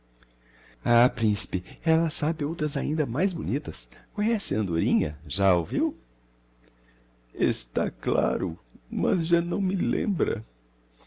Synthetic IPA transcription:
apɾĩsi̥pɪɛlɐsabɪowt̪ɾɐzaĩnd̪ɐmajzbonit̪ɐskõɲɛsɪɐ̃nd̪oɾĩɲɐ̰ʒaoviw | est̪akla̰ɾʊmɐzʒanɐ̃w̃mɪlḛ̃mbɾɐ̰

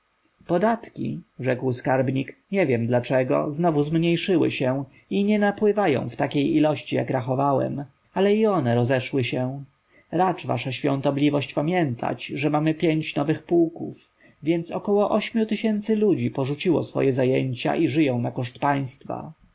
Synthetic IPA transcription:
pɔd̪at̪kʲḭʐɛkwskaɾbɲikɲɛvʲjɛmd̪lat͡ʂɛɡɔ̰znɔvuzmɲejʂɘwɘ̰ɕɛ | iɲɛnapwɘvajɔ̰̃w̃ft̪akʲejilɔɕt͡ɕija̰kɾaxɔvawɛ̰m | alɛiɔnɛɾɔzɛʂwɘɕɛ | ɾat͡ʂva̰ʂaɕfʲjɔ̰̃ñt̪ɔblʲivɔɕt͡ɕpamʲjɛnt̪ʰa̰t͡ɕʐɛmamɘpʲjeɲt͡ɕnɔvɘxpuwkuf | vʲjɛnt̪sɔkɔwɔʔɔɕmʲjut̪ɘɕɛnt̪sɘlud͡ʑipɔʐut͡ɕiwɔ̰sfɔ̰jɛzajeɲt͡ɕa̰ʔiʐɘjɔ̃w̃nakɔʂt̪paj̃st̪fa̰

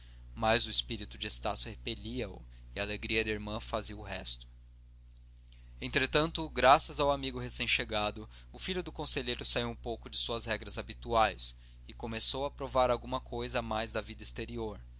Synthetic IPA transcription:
mazʊispiɾit̪ʊd͡ʒɪest̪asʊhepeʎiɐʊ̰ | ɪaːleɡɾiɐd̪ɪiɾmɐ̃faziɐʊɦɛst̪ʊ̥ | ẽnt̪ɾet̪ɐ̃nt̪ʊɡɾasɐzawamiɡʊɦesẽj̃ʃeɡad̪ʊ | ʊfiʎʊd̪ʊkõseʎejɾʊsaiwũpowkʊd͡ʒɪsuɐshɛɡɾɐzabit̪uajs | ɪkomesowɐpɾovaɾawɡũmɐkʰojzɐmajzd̪ɐvid̪ɐist̪eɾioɾ

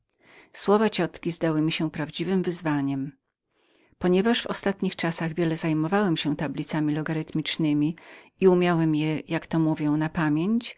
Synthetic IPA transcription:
swɔvat͡ɕɔt̪kʲizd̪awɘmʲiɕɛpɾavd͡ʑivɘmvɘzvaɲɛm | pɔɲɛvaʂvɔ̰st̪at̪ɲixt͡ʂasaɣvʲjɛlɛzajmɔvawɛmɕɛt̪ablʲit̪samʲilɔɡaɾɘt̪mʲit͡ʂnɘmʲiiumʲjawɛmjɛjakt̪ɔmuvʲjɔ̃w̃napamʲjeɲt͡ɕ

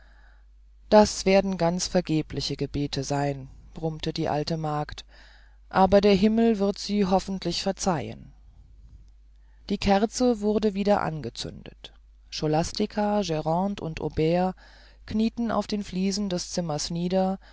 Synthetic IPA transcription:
d̥asv̥eːɐdn̩ɡant͡sfɛɐɡeːplɪçəɡəbeːtʰəzaɪnb̥ʁʊmtədiːʔa̰ltəmaːkt | ʔaːbɐdeːɐɦɪml̩vɪɐtz̥iːɦɔfn̩tlɪçfɛɐt͡saɪə̰n | d̥iːkʰɛɐt͡səvʊɐdəviːdɐʔa̰nɡət͡sʏ̰ndə̰t | ʃolastɪkʰaʒɛʁɑ̃ːntʊ̰ntʔo̰beːa | kniːtn̩a̰ʊfd̥eːnfliːzn̩dɛst͡sɪmɐsniːdɐ

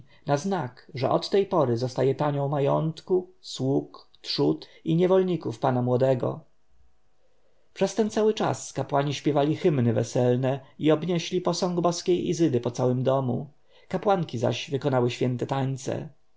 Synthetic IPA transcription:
naznakʐɛ̰ʔɔt̪ːɛjpɔɾɘzɔst̪ajɛpaɲɔ̃w̃majɔnt̪kuswukt̪ʂut̪iɲɛvɔlɲikufpanamwɔd̪ɛɡɔ̰ | pʂɛst̪ɛnt̪sawɘt͡ʂa̰skapwaɲiɕpʲjɛvalʲixɘmnɘvɛsɛlnɛiɔbɲɛɕlʲipɔsɔŋɡbɔskʲejḭzɘd̪ɘpɔt̪sawɘmd̪ɔmṵ | kapwaŋkʲiza̰ɕvɘkɔnawɘɕfʲjɛnt̪ɛt̪aɲt̪sɛ̰

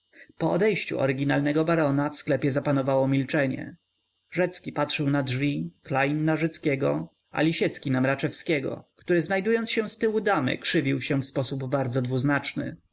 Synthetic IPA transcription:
pɔɔd̪ɛjɕt͡ɕṵɔ̰ɾɪɡʲinalnɛɡɔbaɾɔnafsklɛpʲjɛzapanɔvawɔmʲilt͡ʂɛɲɛ̰ | ʐɛt̪skʲipatʂɘwnadʐvʲiklajnːaʐɛt̪skʲɛɡɔ | ʔa̰lʲiɕɛt̪skʲinamɾat͡ʂɛfskʲɛɡɔ̰kt̪uɾɘznajd̪ujɔnt̪sɕɛ̃st̪ɘwud̪amɘ̰kʂɘvʲiwɕɛ̃fspɔsubːaɾd̪zɔd̪vuznat͡ʂnɘ̰

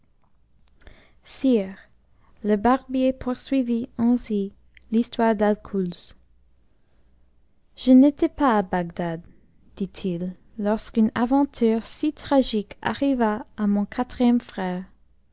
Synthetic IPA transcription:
siːʁ | ləbaʁbjepʰuʁsɥiviɑ̃si | list̪waʁd̪alkʰulz | ʒ̥ənet̪ɛpaːbaɡd̪ad̪ː | it̪ʰilː | ɔʁskynavɑ̃t̪ʰyːʁsit̪χaʒikʰa̰ʁivaːmɔ̃kʰat̪χijɛmfχɛːʁ

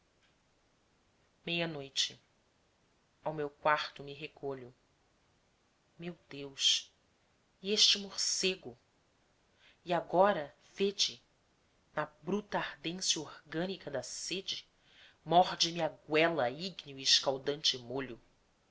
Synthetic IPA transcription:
mejɐnojt͡ʃɪ | awmewkwaɾt̪ʊmɪɦekʰoʎʊ | mewd̪ewʃ | ieʃt͡ʃɪmoɾseɡʊ | iaɡɔɾɐ | ved͡ʒɪ | nɐbɾut̪ɐaɾd̪ẽsjɐoɾɡɐ̃nikɐd̪ɐsed͡ʒɪ | mɔɾd͡ʒɪmɪaɡwɛlɐiɡniʊiɪʃkawd̪ɐ̃nt͡ʃɪmoʎʊ

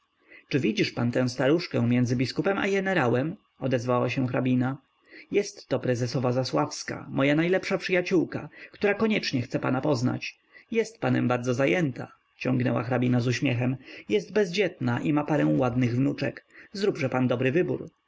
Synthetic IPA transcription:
t͡ʂɘvʲid͡ʑiʂpant̪ɛ̃w̃st̪aɾuʂkɛ̃mʲjɛnd̪zɘbʲiskupɛma̰ɡɛnɛɾawɛm | ɔd̪ɛzvawaɕɛ̃w̃xɾabʲina | jɛst̪ːɔpɾɛzɛsɔvazaswafska̰mɔjanajlɛpʂapʂɘjat͡ɕuwka̰kt̪uɾakɔɲɛt͡ʂɲɛxt̪sɛpanapɔzna̰t͡ɕ | jɛst̪̚panɛmbaɾd̪zɔzajɛnt̪a̰ | t͡ɕɔ̃ŋɡnɛ̰wa̰xɾabʲinazuɕmʲjɛxɛmjɛst̪̚bɛzd͡ʑɛt̪naʔimapaɾɛw̃wad̪nɘɣvnut͡ʂɛ̰kzɾubʐɛpand̪ɔbɾɘvɘbṵɾ

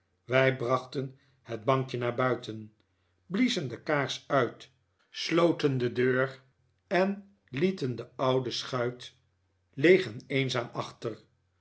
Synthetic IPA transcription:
ʋɛjbrɑχtən | həd̚bɑŋkjənaːɹbœɥtʰən | blizəndəkaːɹsœɥt | slowtəndədøːɹ | ɛn | litəndəɑwdəsχœɥt | lejχənejnzaːmɑχtər

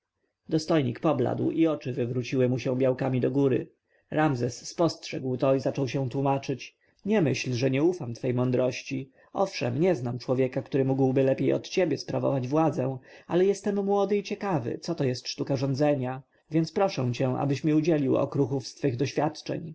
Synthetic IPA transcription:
d̪ɔst̪ɔjɲikpɔbla̰d̪wiɔt͡ʂɘvɘvɾut͡ɕiwɘmuɕɛ̃w̃bʲjawkamʲid̪ɔɡuɾɘ̰ | ɾamzɛsːpɔstʂɛɡwt̪ɔizat͡ʂɔwɕɛ̃t̪wumat͡ʂɘt͡ɕ | ɲɛmɘɕlʐɛɲɛufamt̪fɛjmɔnd̪ɾɔɕt͡ɕi | ɔfʂɛmɲɛznamt͡ʂwɔvjɛkakt̪uɾɘmuɡwbɘlɛpʲjejɔ̰t̪t͡ɕebʲjɛspɾavɔ̰vad͡ʑvwad̪zɛ̃alɛjɛst̪ɛmːwɔd̪ɘit͡ɕɛkavɘ̰t̪sɔt̪ɔjɛst̪ʂt̪ukaʐɔ̃nd̪zɛɲa | vʲjɛnt̪spɾɔʂɛ̃w̃t͡ɕɛ̃ʔa̰bɘɕmʲiud͡ʑɛlʲiwɔ̰kɾuxufst̪fɘɣd̪ɔɕfʲjat̪t͡ʂɛ̰ɲ

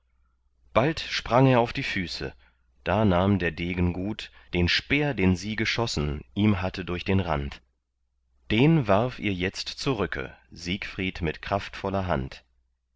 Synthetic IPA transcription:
b̥altʃpʁ̥aŋeːɐaʊfd̥iːfyːsə̰ | d̥aːnaːmdeːɐdeːɡən̩ɡuːtd̥eːnʃpeːɐdeːnziːɡəʃɔsn̩ʔiːmɦatədʊɐçd̥eːnʁa̰nt | d̥eːnvaʁfʔiːɐjɛt͡stt͡suʁʏkʰə̰ziːkfʁ̥iːtmɪtkʁ̥aftfɔlɐɦa̰nt

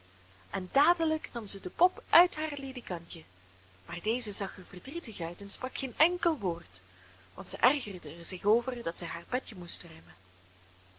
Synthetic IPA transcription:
ʔɛndaːdələknɑmzədəpɔpʔœɥtɦaːrledikɑntjə | maːrdeːzəzɑχərvərdritəxœɥtɛnsprɑkxeːnɛŋkəlˠʋoːrt | ʋɑ̰ntsɛjʔɛrɣərdərzɪxoːvərdɑtsɛjɦaːrbɛtjəmustrœɥmə

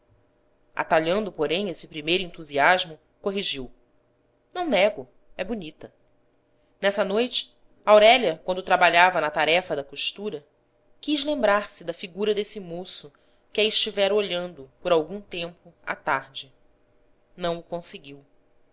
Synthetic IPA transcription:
ʔa̰t̪aʎɐ̃nd̪ʊpoɾẽj̃esɪpɾimejɾʊẽnt̪uziaʒmʊ | koɦiʒiw | nɐ̃w̃nɛɡʊ | ɛbunit̪ɐ | nɛsɐnojt͡ʃɪ̥ | awɾɛʎɐkwɐ̃nd̪ʊt̪ɾabaʎavɐnɐt̪aɾɛfɐd̪ɐkoʃt̪uɾɐ | kizlẽmbɾaɾsɪd̪ɐfiɡuɾɐd̪esɪmosʊ | kɪɐiʃt͡ʃivɛɾoʎɐ̃nd̪ʊpoɾawɡũt̪ẽmpʊa̰t̪aɾd͡ʒɪ | nɐ̃w̃ʊkõsɪɡiw

